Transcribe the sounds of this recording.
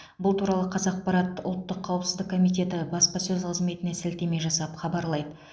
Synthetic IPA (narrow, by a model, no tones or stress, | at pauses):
bʊlˠt̪ʰuɾɑlˠəqʰɑzɑq̚pɑɾɑt̪ːəʊlˠt̪ːəqʰːɑwəpsɪzd̪ɪkʰːomijt̪e̞t̪ɪbɑspɑsɵzqʰəzme̞t̪ɪne̞sɪlt̪e̞me̞jʒɑsɑpχɑbɑɾlˠɑjd̪ə